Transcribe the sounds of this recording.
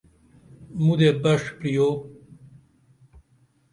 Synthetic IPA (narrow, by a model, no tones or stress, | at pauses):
mud̪ebɐʂpɾijo